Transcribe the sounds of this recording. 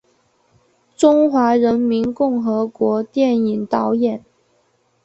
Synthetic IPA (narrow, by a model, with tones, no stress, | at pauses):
ʈ͡ʂʊ˥ŋxwa˧˥ɻə˧˥nmi˧˥nkʊ˥˩ŋxɤ˧˥kwɔ˧˥t̪jɛ˥˩ni˨˩ŋt̪ɑ˧˥ʊjɛ˨˩˦n